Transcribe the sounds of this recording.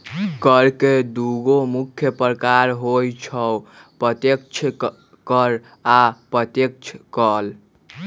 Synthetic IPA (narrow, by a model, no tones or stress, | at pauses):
kəɾked̪uɡomukʰːjəpɾəkaɾɦojt͡ʃʰəwpɾət̪jekt͡ʃʰ | kəɾ | apɾət̪jek̚t͡ʃʰkəl